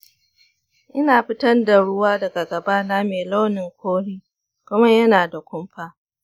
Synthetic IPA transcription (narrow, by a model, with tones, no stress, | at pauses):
ʔɪ˦naː˨ɸɪ˦tɐ˦nda˨ɽʊ˦waː˦dɐ˨ɡa˨ɡɐ˨ba˦naː˦meː˨lo˦nɪ˨ŋkʷʰoː˦ɦiː˦ | kʷʊ˦ma˦jɐ˦naː˨da˨kʷʊ˦mɸaː˦